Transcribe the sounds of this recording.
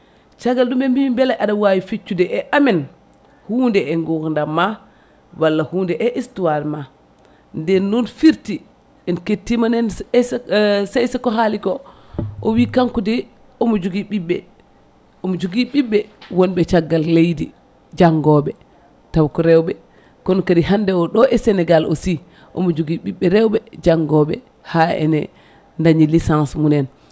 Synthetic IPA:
t͡ʃaɡːalɗumbɛmbimbɛlaʔaɗawawifit͡ʃːudɛʔɛʔamɛn | huːndɛɛŋɡokndamːa | walːahuːndɛʔɛʔistuwaɾma | ndɛnːunfiɾti | ɛnketːimanɛnssɛjsakɔɦalikɔʔɔwikaŋkudɛ | ɔmɔd͡ʒuɡiɓiɓːɛ | ɔmɔd͡ʒuɡiɓiɓːɛwɔnɓɛt͡ʃaɡːalːejdi | d͡ʒaŋɡɔɓɛ | tawkɔɾɛwɓɛ | kɔnɔkadiɦandɛwɔɗɔʔɛsɛnɛɡalɔ̰si | ʔɔ̰mɔd͡ʒuɡiɓiɓːɛɾɛwɓɛd͡ʒaŋɡɔɓɛ̰ | haɛ̰nɛ̰ | ndaɲilisansmunɛn

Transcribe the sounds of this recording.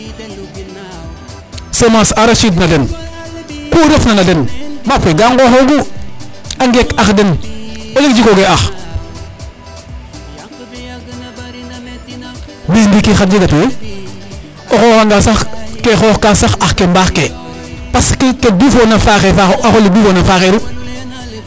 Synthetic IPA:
semasaɾaʃid̬nalen | koːɾofnanadenmapeɡaŋɡoxoɡu | aŋɡekaxdenolik̚d͡ʒikoɡeax | bimdikixat̚d͡ʒiɡatuwe | oxoːxaŋɡasaxkexoːxkasaxaxkembaxke | paskikedifonafaxefaxoʔaxolidifoːnafaxeɾu

